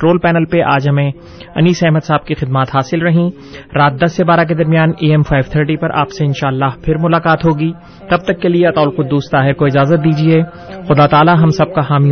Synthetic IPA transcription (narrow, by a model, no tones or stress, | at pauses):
ɾoːlpɛːnəlpeʔaːd͡ʒɦɐmẽ | ɐ̰niːsɛɦməd̪saːb̚kixɪd̪maːt̪ɦaːsɪlɾɐɦĩ | ɾaːt̪̚d̪ɐsːebaːɾak̬ed̪ɐɾmijaːneːɛmfaːɪʋt̪ʰəɾʈipɐɾʔa̰ːpseɪnʃaːɐlːaːɦpʰɪɾmʊlaːqaːt̪ɦoːɡiː | t̪ɐb̚t̪ɐkːelieɐt̪aːʊlqʊd̪ːuːst̪aːɦɪɾkoɪd͡ʒaːzət̪̚d̪iːd͡ʒieː | xʊd̪aːt̪aːlaɦɐmsɐb̚kaɦaːmi